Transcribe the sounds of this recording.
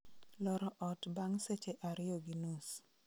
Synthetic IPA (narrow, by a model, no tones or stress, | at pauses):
lɔɾɔʔɔtbaŋset͡ʃeʔaɾɪoɡinus